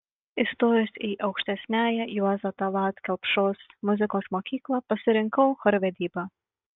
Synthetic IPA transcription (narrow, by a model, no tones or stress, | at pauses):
ɪst̪oːɾʲosiːʔɐʊkʃʲt̪ʲɛsʲnʲæːjɛjuɔzɐt̪ɐlˠɑːt̪kʲɛlˠpʃoːsmʊzʲɪkoːsmoːkʲiːklˠɑpɐsʲɪɾʲɪŋkɐʊxɔɾʋʲɛd̪ʲiːbɑ